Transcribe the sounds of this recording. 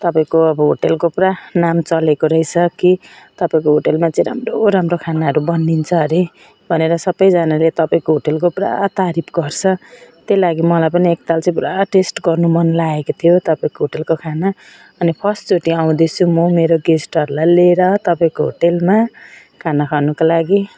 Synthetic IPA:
t̪ʌpaĩkoʌbʌɦoʈelkopranamt͡sʌlekoɾʌjsʰʌkit̪ʌpaĩkoɦoʈelmat͡sãĩɾa̰mroɾamrokʰanaɦʌɾubʌnːint͡sʰʌɦɾi | bʱʌneɾʌsʌbʌjd͡zanalet̪ʌpaĩkoɦoʈelkopra̰t̪aɾipʰɡʌrt͡sʰʌt̪jelaɡimʌlajpʌniek̚t̪alt͡sʌ̃ĩpuɾaʈesʈɡʌrnumʌnlaekot̪ʰijot̪ʌpaĩkoɦoʈelkokʰana | ʌnipʰʌsʈt͡soʈiaw̃d̪et͡sʰumomeɾoɡesʈʌɾulajleɾʌt̪ʌpaĩkoɦo̰ʈelma | kʰanakʰanukolaɡi

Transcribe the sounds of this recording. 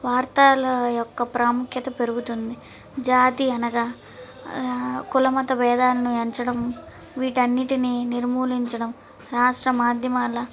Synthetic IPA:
ʋaːɾt̪aːlɐjɔkːɐpɾaːmukʰjɐt̪ɐpe̞ɾuɡut̪und̪i | d͡ʒaːt̪iɐnɐɡaː | kulɐmɐt̪ɐbɛːd̪aːlɐnueɲt͡ʃɐɽɐm | ʋiːʈɐnːiʈininiɾmuːliɲt͡ʃɐɽɐm | ɾaːʂʈɾɐmaːd̪ʱjɐmaːlɐ

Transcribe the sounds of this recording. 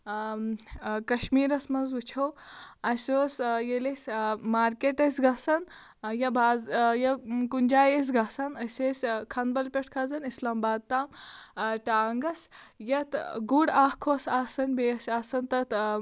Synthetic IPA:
kɐʃmiːɾɐsmɐnzut͡ʃʰowɐsʲoːsjelesʲmaːɾkeʈɐsʲɡɐsɐn | jɐbʱaːzjɐkund͡ʒaːjes̬ɡasɐnɐsʲesʲkʰɐnbɐlpʲeʈʰkʰɐzɐnislaːmbaːd̪̚t̪aːmʈaːŋɡɐsjɐt̪ɡuɽaːhkʰoːsaːsɐnʲbeːɐsʲaːsɐnt̪ɐt̪

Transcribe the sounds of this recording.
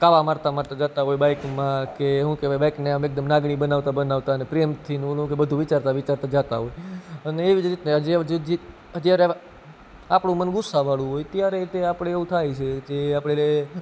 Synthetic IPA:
kaʋamaɾt̪amaɾt̪ad͡ʒat̪aɦojbajkmãkeɦũkeʋajbajkneamek̚d̪əmnaɡɽ̃ibənaʋt̪abənaʋt̪aənepɾijəmt̪ʰiñlũkebəd̪ʱũʋɪt͡ʃaɾt̪aʋɪt͡ʃaɾt̪ãd͡ʒat̪a̰ɦojəneːʋid͡ʒɾit̪neɦəd͡ʒd͡ʒd͡ʒi | ɦəd͡ʒ̪jaɾe | apɽũmənɡʊsːaʋaɭũɦojt̪jaɾet̪eapɽ̃eeʋũt̪ʰajt͡ʃʰed͡ʒeapɽee

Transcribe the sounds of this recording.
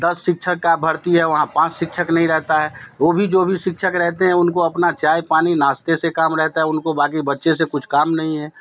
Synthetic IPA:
d̪ɐsʃɪkʃʰəkːabʱɐɾt̪iɦɛʋɐɦãpãːt͡ʃʃɪkʃʰəknɐɦĩɾɛɦt̪aɦɛːʋoːbʱid͡ʒoːbʱiʃɪkʃʰəkɾɛɦt̪eɦɛ̃ʊnkoɐpnat͡ʃaːjpaːninaːst̪esekaːmɾɛɦt̪aɦɛʊnkobaːk̬ibɐtːʃesekʊt͡ʃʰkaːmnɐɦĩɦɛː

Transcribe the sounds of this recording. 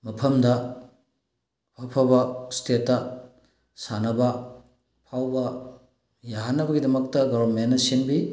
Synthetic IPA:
mɐpʰɐmdɐ | wapʰɐbɐstʰetːɐ | sanɐbɐ | pʰawbɐ | jaɦanːɐbɐɡidɐmɐk̚tɐɡoɾɐɾmenːɐsinbi

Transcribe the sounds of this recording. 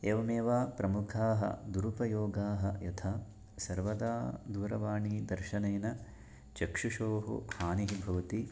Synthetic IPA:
eːʋɐmeːʋaːpɾɐmukʰaːɦɐ̰d̪uɾupɐjoːɡaːɦɐ̰jɐt̪ʰaː | sɐɾʋɐd̪aːd̪uːɾɐʋaːɳiːd̪ɐɾʃɐneːnɐ | t͡ʃɐkʂuʃoːɦṵhaːniɦibʱɐʋɐt̪i

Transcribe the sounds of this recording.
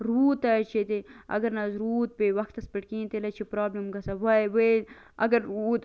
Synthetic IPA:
ɾuːt̪ɐt͡ʃʰet̪eɐ̰ɡɐɾnɐzɾuːt̪̚pewɐxt̪ɐspɐʈkĩːnt̪elɐt͡ʃʰipɾaːblimɡɐsɐwɐjwe | ɐ̰ɡɐɾuːt̪

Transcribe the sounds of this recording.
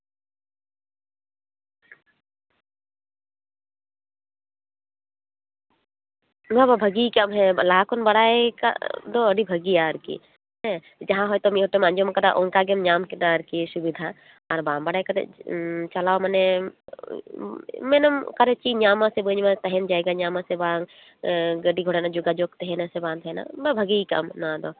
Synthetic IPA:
bababʱəɡikamɦɛlaːkonbɐɽaːeka̰d̪oəɽibʱəɡijaəɾkḭ | ɦɛ̃ | d͡ʒɐɦãɦɔjt̪omiɦoʈomãnd͡ʒomkɐd̪a̰ʔoŋkaɡemɲaːmkinaɾkisubid̪ʱa | aɾbaːmbɐɽajkat̪ḛt͡ʃɐlaːwməne | menəmkaɾet͡ʃiɲaːmãsebənmãt̪ɐɦend͡ʒaːjɡaɲaːmasebaːŋ | ɡəɖiɡʱoɽenad͡ʒuɡad͡ʒok̚t̪eɦenasebãːnd̪ɦena̰bɐbʱɐɡikɐ̰mnad̪o

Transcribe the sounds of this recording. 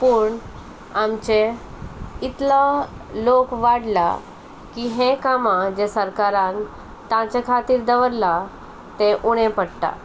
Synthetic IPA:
puːɳ | amt͡ɕe | it̪la | lokʋaɽla̰ | kiːɦẽkamãd͡ʑesəɾkaɾãn | t̪ãt͡ɕakʰat̪iːɾd̪əʋəɾla | t̪ẽʔuɽ̃ẽpəɽt̪a̰

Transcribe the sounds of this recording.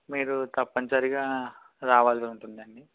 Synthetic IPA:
miːɾut̪ɐpːɐnsɐɾiɡaː | ɾaːʋaːlsiuɳʈund̪iɐɳɖi

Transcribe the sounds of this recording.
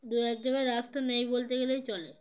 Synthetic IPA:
d̪uɛk̚d̪ekaɾːast̪anejbolt̪eɡelejt͡ɕɔle

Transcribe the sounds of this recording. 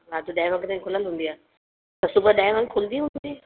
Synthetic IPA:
ɾaːt̪uɗaːɪ̃ʋə̃ŋkət̪ʰãkʰʊləlɦũnd̪iaː | t̪ɐsubəɗaːɪ̃ʋə̃ŋkʰʊld̪iɦũːnd̪i

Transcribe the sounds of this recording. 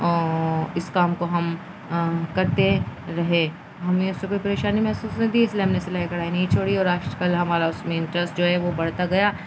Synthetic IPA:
ɪskaːmkoɦɐm | kɐɾt̪eɾɐɦẽ | ɦɐmẽʊsːekoːipɐɾeːʃaːnimɛɦsuːsnẽd̪iɪsleɦɐmneselaːikɐɽ̤aːinɐɦĩt͡ʃʰoːɽiɔːɾaːʃəkɐlɦɐmaːɾaʊsmẽɪ̃ɳʈɾəsʈd͡ʒoːɦɛʋobɐɽt̪aɡɐjaː

